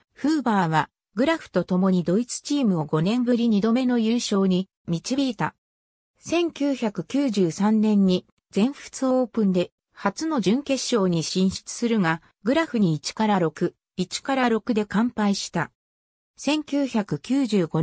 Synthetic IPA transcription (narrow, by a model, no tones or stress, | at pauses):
ɸɯ̟ːbaːβa | ɡɯ̟ɾaɸɯ̟̥t̪o̞t̪o̞mo̞ɲ̟id̪o̞it͡sɨ̥t͡ɕiːmɯ̟o̞ɡo̞nẽ̞mbɯɾʲiɲ̟id̪o̞me̞no̞jɯːɕo̞ːɲ̟i | mʲit͡ɕibʲiːt̪a | sẽ̞ŋkʲɨːçakɯ̟kʲɨːʑɨːsãnːẽ̞ɲ̟ːi | d͡zẽ̞ɰ̃ɸɯ̥t͡sɨoːpɯ̟̃nd̪e̞ | hat͡sɨno̞ʑɨ̃ŋke̞ɕːo̞ːɲ̟iɕĩɰ̃ɕi̥t͡sɨ̥sɨɾɯ̟ŋa | ɡɯ̟ɾaɸɯ̟ɲ̟iːt͡ɕi̥kaɾaɾo̞kɯ̟ | it͡ɕi̥kaɾaɾo̞kɯ̟d̪e̞kãmpaiɕi̥t̪a | sẽ̞ŋkʲɨːçakɯ̟kʲɨːʑɨːɡo